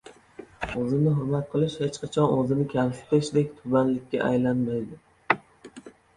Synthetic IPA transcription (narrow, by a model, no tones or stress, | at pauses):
ɵzɪmnɪɦʊɾmat̪̚qʰɨlˠɪʃhet͡ʃqʰɑt͡ʃʰɒnɵzɪnɪkʲʰamsɪ̥t̪ɪʃd̪ek̚ʲt̪ʰʊbanlɪkʲːa̰ʔajlanmajd̪ɪ